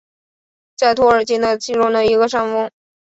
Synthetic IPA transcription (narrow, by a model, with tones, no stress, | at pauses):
t͡sa˥˧ɪt̪ʰwɔ˥ə˞˨˩t͡ɕi˥nə˧t͡ɕi˥˧ɻu˥˩d̪ə˩i˧˥ɡə˧ʂa˥nfʊ˥ŋ